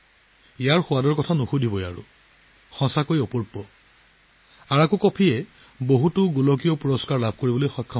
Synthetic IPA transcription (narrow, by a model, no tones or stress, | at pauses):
ijaɹxʊwadɔɹkɔtʰanuxudʱibɔja̰ɹṵ | xɔ̃sakojɔpɔɹpːɔ | aɹakukɔpʰiɛ | boɦutʊɡulɔkijɔpuɹɔskaɹlabʱkoɹibɔlojxɔjkʰːɔ